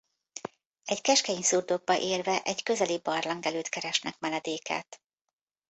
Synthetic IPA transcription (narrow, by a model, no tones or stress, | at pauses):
ɛɟkɛʃkɛiɲsurd̪o̞ɡ̚bɒʔeːrvɛʔɛɟkø̞zɛlibɒrlɒŋɡɛløːt̪kɛɾɛʃnɛkmɛnɛd̪eːkʰa̰ːt̪